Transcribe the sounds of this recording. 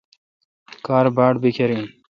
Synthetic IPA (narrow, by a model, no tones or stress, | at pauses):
kaːɾbaːɖbikʰeɾin